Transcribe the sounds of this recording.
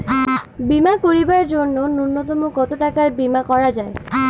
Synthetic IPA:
bimakoɹibaɹd͡ʒonːonunːɔt̪ɔmokɔt̪oʈakaɹbimakɔɹad͡ʒae

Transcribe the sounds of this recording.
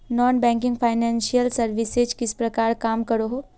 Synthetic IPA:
nɔːnbɛ̃ːŋkɪ̃ŋɡpʰaːɪnɛ̃ːnʃijəlsɐɾʋɪsed͡ʒkɪspɾɐkaːɾkaːmkɐɾoɦoː

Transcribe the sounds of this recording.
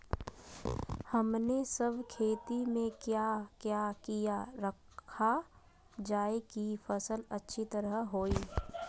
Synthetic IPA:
həmnesəbʱkʰeːt̪imẽkjakjaːkijaɾəkʰ | a | d͡ʒaːekifəsələtːʃʰit̪əɾəɦɦoːiː

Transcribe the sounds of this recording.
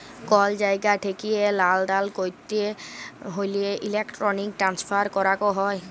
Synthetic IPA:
kɔld͡ʒajɡaʈʰekielaldalkojt̪ːieɦojlieʔilekʈɾɔnik̚ʈɾanspʰaɾkɔɾakɔɦɔj

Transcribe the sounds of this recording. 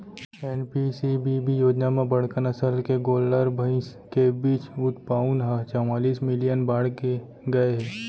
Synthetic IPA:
ɛːnpisibibʱijoːd͡ʒnamẽbɐɽ̤kənɐsəlkeɡoːlːəɾbʱəɪ̃skebiːt͡ʃʊt̪paːʊnɦat͡ʃəmaːliːsmɪlijənbaːɽke | ɡɐeɦɛː

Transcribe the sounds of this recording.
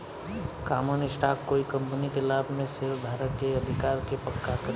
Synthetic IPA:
kaːmənɪsʈaːkkoːikə̃mpnikelaːbmẽsɪɾbʱaːɾət̪̚keəd̪ʱɪkaːɾkepəkːakə

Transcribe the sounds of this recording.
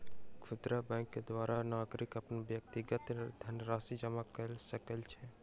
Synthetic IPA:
kʰʊt̪ɾabɛ̃ːŋkːed̪ʋaːɾanaːɡɾɪkəpnbjək̚t̪iɡət̪d̪ʱənɾaːsid͡ʒəmakəlsəkəlt͡ʃʰɛ

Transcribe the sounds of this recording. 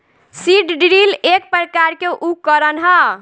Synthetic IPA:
siɖɖɾilek̚pɾəkaɾkeʔukːəɾənɦə

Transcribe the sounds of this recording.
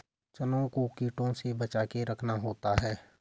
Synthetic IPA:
t͡ʃənõkokiːʈõsebət͡ʃaːkeɾəkʰnaɦoːt̪aɦɛː

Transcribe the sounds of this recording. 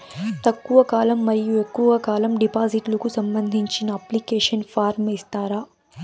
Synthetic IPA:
t̪ɐkːuʋɐkaːlɐmːɐɾijuekːuʋɐkaːlɐmɖipaːziʈlukusɐmbɐnd̪ʱiɲt͡ʃinɐaːplikeːʃɐnfaːɾmist̪aːɾaː

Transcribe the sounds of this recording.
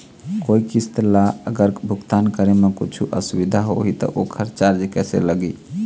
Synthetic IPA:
koikist̪laəɡəɾbʱuɡt̪ankəɾemekut͡ʃʰuʔəsubid̪ʱaɦo̰ɦit̪ɔ̰ʔokʰəɾt͡ʃaɾd͡ʒekɛsḛləɡi

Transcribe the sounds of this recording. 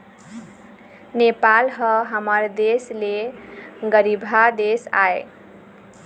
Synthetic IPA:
nepalɦʌɦʌmʌrd̪esle | ɡʌɾibʱad̪esa̰ḛ

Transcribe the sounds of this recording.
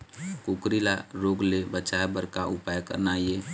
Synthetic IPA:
kukɾilaɾoɡlebət͡ʃaebəɾkaʔupajkə̰ɾnaje

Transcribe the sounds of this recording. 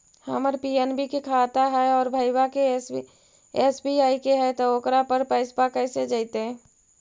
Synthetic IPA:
həməɾpiɛnbʱikekʰaːt̪aɦɛɔːɾbʱəjwake | esbiaːikeɦɛt̪ooːkɾapəɾpəɪspakəːsed͡ʒaɪt̪eɛ̃

